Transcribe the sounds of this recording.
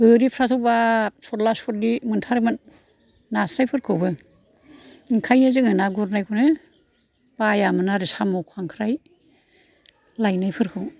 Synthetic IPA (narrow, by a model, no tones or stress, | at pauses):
bɯɾipʰɾatʰɔbasɔt̚lasɔt̚dimɯntʰaɾmɯnː | asɾajpʰɯɾkʰɯwbɯ | ŋkʰajnɯzɯŋɯnaɡuɾnajkʰunɯ | b̥ajamɯnaɾisamɔwkʰaŋkʰɾaj | lajnajpʰɯɾkʰɯw